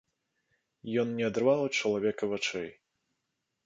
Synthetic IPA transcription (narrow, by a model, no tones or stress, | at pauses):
jɔnnʲɛɐd̪ɾrvawt͡ʂɐlˠavʲɛkɐvat͡ʂɛj